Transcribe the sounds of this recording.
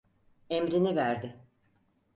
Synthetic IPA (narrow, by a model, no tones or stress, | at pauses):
emɾinivæɾd̪ɪ